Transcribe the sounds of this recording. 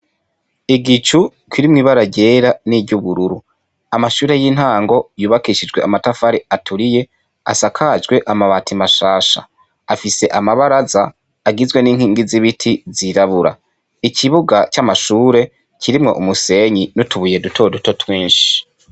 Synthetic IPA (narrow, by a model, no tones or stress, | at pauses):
iɡit͡ʃu | kwiɾimŋiβaɾaɟe̞ɾaniɟuβuɾuɾu | amaʃuːɾe̞jin̥haːŋɡo̞juːβakiʃid͡ʒɡwe̞amatafaɾiatʰuɾije̞ | a̰sakʰad͡ʒɡwe̞ʔamaβaːtʰimaʃaːʃa̰ | afise̞ʔamaβaɾazaː | ɡizwe̞niːŋhiːŋɡiziβitʰiziɾaβuɾa̰ | icʰiβuɡat͡ʃamaʃuːɾe̞ | cʰiɾimŋo̞̰ʔumuse̞ɲinutuβuje̞dutʰo̞duto̞twiːnʃi̥